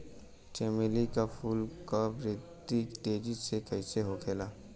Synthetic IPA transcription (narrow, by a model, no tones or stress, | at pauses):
t͡ʃeːmelikafʰuːlkabɾɪt̪iʈeːd͡ʒisekɐɪseɦokʰeːlaː